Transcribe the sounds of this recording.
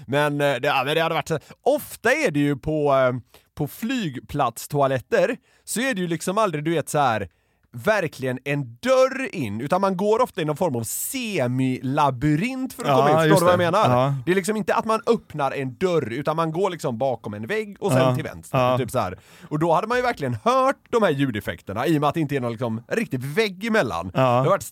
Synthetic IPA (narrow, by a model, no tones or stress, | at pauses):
mɛnd̪ɛaːmɛnd̪ɛhad̪əvaʈːsɛʔɔft̪aæɖɛjɵpʰɔ | pʰɔflyːɡpʰlat̪st̪ʰʊalɛt̪ːəɾ | sɔæɖɛjɵlɪksɔmald̪ɾɪd̪ɵveːt̪sɔhæɾ | væɾkʰlɪɡənɛnd̪œɾɪnːʉ̟ːt̪anmanɡoːɾɔft̪aɪnɔnfɔɾmavseːmɪlabʉɾɪnt̪fœɾɔkʰɔmːɪnfoːɾvajameːnaɾd̪ɛɾlɪksɔmɪnt̪əʔa̰t̪manœpnaɾɛnd̪œɾʉ̟ːt̪anmanɡoːɭɪksɔmbɑːkɔmɛnvɛɡːɔsɛnt̪ʰɪlvɛ̰nt̪st̪t̪yːpsɔhæ̰ːɾ | ɔd̪ɔhad̪ːəmanjɵvæɾklɪɡənhœːʈ̚d̪ɔmhæːɾjʉ̟ːd̪ɛfɛ̰kt̪əɳa̰iːɔmɛat̪d̪ɪnt̪əɛæɾnɔnlɪksɔmɾɪk̚t̪ɪvɛɡːɪmɛlːa̰ndhaɾvaʈː